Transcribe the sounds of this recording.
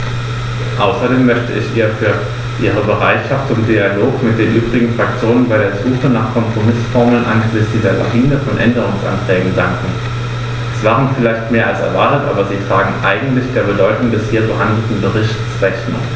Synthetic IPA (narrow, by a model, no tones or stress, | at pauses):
ʔaʊsɐdeːmːœçtə̰ʔɪçʔiːɐfyːɐ | ʔiːʁ̞əbəʁaɪtʃaftt͡sʊmdialoːkmɪt̚d̥eːnʔyːbʁɪɡŋ̩fʁ̥ak̚t͡sjoːnənbaɪdeːɐz̥uːχənaːχkʰɔmpʁ̥omɪsfɔɐml̩nʔa̰nɡəzɪsdiːdeːɐla̰ʁiːnəfɔnʔɛndəʁ̞ʊŋsʔa̰ntʁ̥ɛːɡŋ̩daŋkŋ̩ | ɛsv̥aːʁənfɪlaɪçtmeːɐʔalsɛ̰ɐvaɐtətʔaːbɐziːfʁ̥aːɡŋ̩ʔa̰ɪɡŋ̩tlɪçd̥eːɐbədɔʏtʊŋdɛshiːɐbəhandl̩tn̩bəʁɪçtsʁɛçnɐ̰